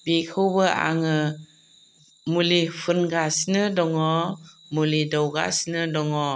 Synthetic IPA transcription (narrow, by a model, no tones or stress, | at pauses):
bikʰɯwbɯʔa̰ŋɯ | mulipʰɯnɡasnɯdɔŋɔ | mulidɔwɡa̰snɯdɔŋɔ